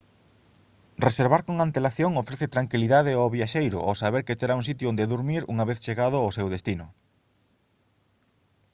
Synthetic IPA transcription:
reseɾβaɾkoŋant̪elaθjoŋofɾeθet̪ɾaŋkiliðaðeoβjaʃejɾʊ̰ʔo̰saβeɾkɪt̪eɾauŋsit̪jʊond̪eðuɾmiɾṵŋaβeθt͡ʃeɣað̞ʊosewðest̪inʊ

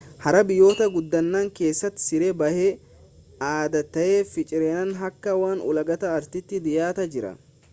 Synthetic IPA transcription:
hɐɾɐbɪjːo̞ːt̪ɐɡʊd̪ːɐnːaːŋke̞ːsːɐt̪ːɪ̥sɪɾebɐhe | aːd̪ɐt̪ːɐʔeːfɪt͡ʃʼɪɾeːnɐnɦɐkːɐwaːnʊ̰lɐɡɐt̪ɐːɾt̪ɪt̪ːɪd̪ɪjaːt̪ɐd͡ʒɪɾɐ̰

